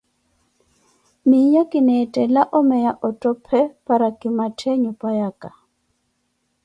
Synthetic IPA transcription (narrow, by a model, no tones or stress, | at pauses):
mijakʼɪnɛtʼɛlaʔɔmɛjaʔɔtʼɔpʰɛpʼaɾakʼɪmatʰeɲɔpʼajaːkʼa